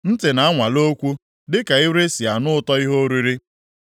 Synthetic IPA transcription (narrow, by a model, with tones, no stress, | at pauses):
n̩˦tɪ˨na˨a˦ŋʷa˨lo˦kʷu˦ | dɪ˦ka˨ɪ˦wɾe˦si˨a˨nʊ˦ʊ˦tɔ˦i˦ɦo˦ɾi˦ɾi˦